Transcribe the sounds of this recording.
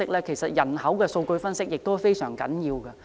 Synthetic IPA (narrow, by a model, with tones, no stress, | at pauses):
ɪ˥k̚lɛː˥kʰe˨˩jsɐ˨t̚jɐ˨˩nhɐ˨˥wkɛː˧so˧wkɵ˧ɥfɐ˥nsɪ˥k̚jɪ˨k̚t̪o˥wfe˥jsœː˨˩ŋkɐ̰˨˥njiː˧wkɐ˧